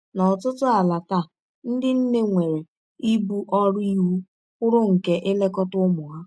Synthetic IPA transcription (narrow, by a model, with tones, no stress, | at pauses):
nɔ˨tʊ˦tʊ˦a˨la˨ta˦˨ | n̩˦dɪ˦n̩˦ne˦ŋʷe˨ɾe˨ | i˦bu˦ʔɔ˦ɾi˦ɦu˦ | ʊ˦ɾʊ˦ŋ̩˨ke˦ʔɪ˦le˦kɔ˦tʊ˦mʊ˨ɦa˦